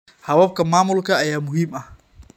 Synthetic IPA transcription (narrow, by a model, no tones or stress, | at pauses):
hɐwɐb̚kʰɐmaːmʊlkʰɐːjaːmʊɦiːmɐh